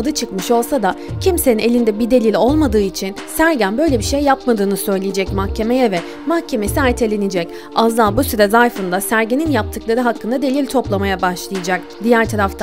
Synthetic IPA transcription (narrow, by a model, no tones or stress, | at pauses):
ad̪ɯt͡ʃʰɯkmɯʃo̞lˠsad̪acʰimsenine̞lʲind̪ɛbid̪e̞lʲilʲo̞lˠmad̪ɯːit͡ʃʰinsæɾɟænbø̞jlʲebiʃejːapmad̪ɯːnɯsø̞jlʲijed͡ʒɛcmahcʰe̞mejɛvɛ | mahcʰːe̞me̞siaɾjt̪ʰelʲenid͡ʒɛc | azd̪ˠaːbusyɾɛzajfɯnd̪asæɾɟeninjap̚t̪ʰɯklˠaɾɯɦakʰːɯnd̪ad̪e̞lʲilʲt̪ʰo̞plˠamajabaʃlˠɯjad͡ʒak̚d̪ijæɾt̪ʰaɾaft̪ʰa